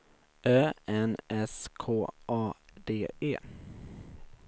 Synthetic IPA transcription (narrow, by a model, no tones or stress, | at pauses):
ʔœːɛnʔɛskʰoːʔɑːd̪eːḛː